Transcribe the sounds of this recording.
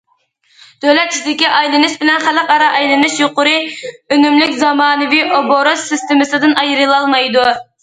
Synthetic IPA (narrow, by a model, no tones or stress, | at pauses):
d̪̥ølɛt̪̚ʰi̥ʃʲd̪ɪkʲiʔɑjlɨnɨʃbɪlɛnχælˠəqɑɾɑʔɑjlˠɨnɨʃjoqʊɾɨønymlykʲzɑmɑːnɨviʔoboɾosɪst̪ɪmɨsɨd̪ɨnɑjɾɨlˠɑlˠmɑjd̪u